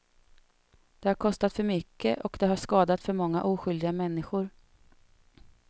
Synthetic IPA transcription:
d̪̥ɛhaɾkʰɔst̪at̪fœɾmʏkːəʔɔkd̪ɛɦaʂkɑːd̪at̪fœɾmɔŋːa̰ʔuːɧʏld̪ɪɡamɛnːɪɧʊɾ

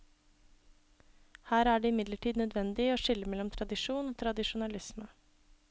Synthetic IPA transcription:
hæːɾæːɖeːɪmɪd̪ləʈʰiːd̪nœd̪ʋɛnd̪ɪoːʂɪlːəmɛlːɔmt̪ʰɾɑd̪ɪʂuːnoːt̪ʰɾɑd̪ɪʂʊnɑlɪsmə

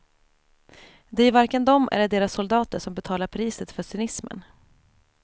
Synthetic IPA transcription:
d̪ɛæɾvaɾkənd̪ɔmʔæ̰lɖeːɾasːʊld̪ɑːt̪əʂɔmbɛt̪ʰɑːlaɾpʰɾiːsət̪fœsʏnɪsmə̰n

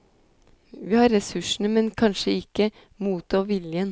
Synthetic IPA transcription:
ʋiːhɑːɾːɛsʉʂɳ̩əmɛnkʰɑnʃəɪkːə | muːt̪ʰoːʋɪljən

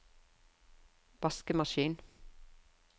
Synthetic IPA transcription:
ʋɑskəmɑʃiːn

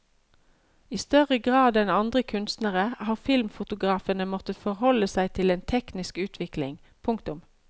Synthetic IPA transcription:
iːst̪œʁəɡʁɑːd̪ɛnɑnd̪ʁəkʰʉnst̪nəʁəhɑːʁfɪlmfʊt̪ʊɡʁɑːfənəmɔt̪əfɔʁhɔləsæɪt̪ʰɪleːnt̪ʰɛknɪskʉːt̪ʰʋɪklɪ̰ŋ | pʰʊŋkt̪ʊm

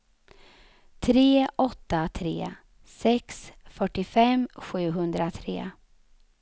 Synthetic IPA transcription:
t̪ʰɾeːʔɔt̪ːat̪ʰɾḛː | sɛksfœʈːɪfɛmɧʉ̟ːɦɵnd̪ɾat̪ʰɾḛː

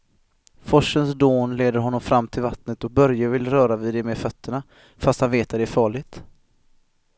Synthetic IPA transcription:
fɔʂːənsd̪oːnleːd̪əɾɦɔnːɔmfɾamːt̪ʰɪlvat̪nət̪ɔk̚bœɾjavɪlɾœːɾavɪd̪ɛmefœt̪ʰːəɳa | fast̪hanveːt̪ʰvad̪ɛæɾfɑːɭɪɡ̚t̪

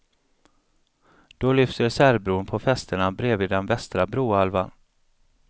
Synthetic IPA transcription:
d̪̥ɔlʏfsəsæɾbɾuːnpʰɔfɛst̪əɳabɾeːvɪːd̪ɛnvɛst̪ɾabɾuːalvan

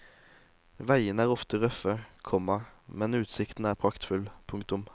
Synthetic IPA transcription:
ʋæɪənæːʁɔft̪əʁœfəkʰɔmɑmɛnʉːt̪sɪkt̪n̩æːʁpʰʁɑkt̪fʉlpʰʊŋkt̪ʊm

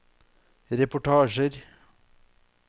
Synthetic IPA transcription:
ɾepɔʈɑːʒəɾ

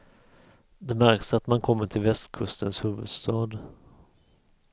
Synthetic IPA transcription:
d̪ɛmæɾksat̪mankʰɔmːəʈʰɪlvɛst̪kʰɵst̪ənshʉ̟ːvɵ̰d̪st̪ɑːd̪

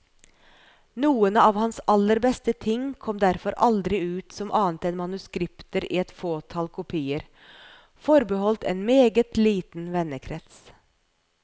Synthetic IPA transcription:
nuːənɑːʋhɑnsɑlːəɾbɛst̪ət̪ʰɪŋkʰɔmd̪æɾfɔɾɑld̪ɾɪʉːt̪sɔmʔɑːnt̪ɛnmɑnʉskɾɪpt̪əɾḭːɛt̪foːt̪ʰɑːlkʰʊpʰiːəɾ | fɔɾbəhɔlt̪ʰḛːnmeːɡət̪liːt̪n̩ʋɛnəkʰɾɛt̪s

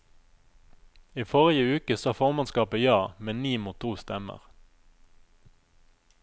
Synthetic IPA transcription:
iːfɔʁɪəʉːkəsɑːfɔʁmɑnskɑːpəjɑːmɛniːmuːt̪ʰuːst̪ɛmə̰ʁ

